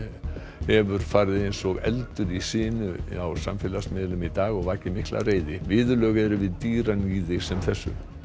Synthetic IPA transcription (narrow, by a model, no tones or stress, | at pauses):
hɛvʏɾ̥faɾðɪejnsɔɣɛ̰lt̪ʏɾisɪːnʏawsamfɪːlasmɪːðlʏmit̪aːɣɔɣvaːcɪmihklʔa̰reːjðɪvɪːðʏlœːɣɛɾʏvɪðt̪iːɾaniːðɪsɛmθɛsːʏ̰